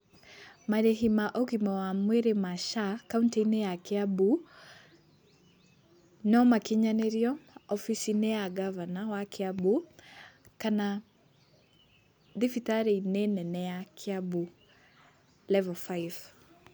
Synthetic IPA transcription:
maɾɛɦimaʔɔkimɔwamwɛɾɛmaʃakauntɛjnɛjakiabu | nɔmakiɲanɛɾiɔɔfisinɛaɡavanawakʰiabu | kana | ðifitaɾeinɛnɛnɛakʰiabu | lɛvɔfajv

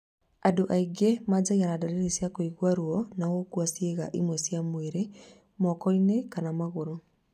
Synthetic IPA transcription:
adoʔaiɡemad͡ʑaɣianadaɾeɾisjakoiɣwaɾwɔnawokwasjeɣa̰ʔimwɛsjamweɾe | mɔkɔinekanamaɣoɾo

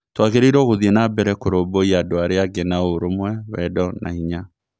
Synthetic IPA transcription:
twaɣeɾeiɾɔɣoðienabɛɾɛkoɾoboiaːdoaɾeaɡɛnaoɾomwɛwɛdɔnʔa̰iɲa

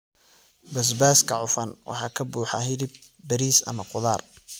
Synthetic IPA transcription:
bɐs̬baːskʰɐʕʊfɐnwʔɑ̰ħɑːkʰɐbuːħɑ̰ɦɪðɪbː | ɐɾiːsɐ̰mɐqʊðaːr

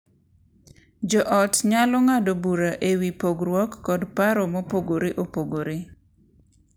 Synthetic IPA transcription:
d͡ʒɔʔɔtɲalɔŋadobuɾaʔewipoɡɾwɔkːɔdpaɾɔmɔpoɡoɾeʔopoɡoɾe

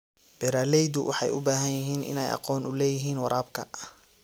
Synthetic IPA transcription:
b̥ɛɾaːlɛjd̪ʊwʔɑ̰ħɑjʊbaːɦɐnjɪɦiːnʔɪ̰nɛ̰jʔɑ̰qɔːnʔʊlɛːjɪɦiːnwɑɾaːbkʰɐ̰

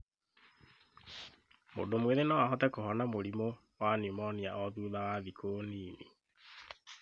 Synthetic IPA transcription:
mo̰domweðenɔwaɦɔtɛkohɔnamoɾimo | wanimɔnia̰ʔɔðuːðawaðikʰoːniːni

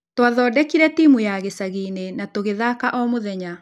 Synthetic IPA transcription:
twaðɔːdɛkiɾɛtiːmujaɣesaɣiːnenatoɣeðakaʔɔmoðɛɲa

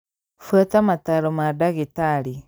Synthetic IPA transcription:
fatamataɾomadaɣitaɾi

